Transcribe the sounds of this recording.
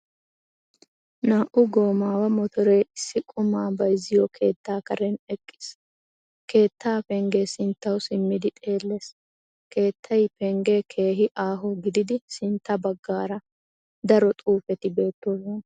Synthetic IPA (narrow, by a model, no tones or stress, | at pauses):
naːʔʊɡo̞ːmaːwɐmɔt̪ɔɾeːɪsːɪkʼʊmaːbɐjzɪjɔkʰe̞ːt̪ːaːkɐɾɛnɛkʼːɪ̥s | ke̞ːt̪ːaːpɛŋɡeːsɪnt̪ːɐwsɪmːɪd̪ɪt̪ʼe̞ːlːe̞ːs | ke̞ːt̪ːɐjpɛŋɡekʰe̞ːɦɪʔaːɦɔɡɪd̪ɪd̪ɪsɪnt̪ːɐbɐɡːaːɾɐ | d̪ɐɾɔt̪ʼuːfɛt̪ɪbe̞ːt̪ːoːsɔn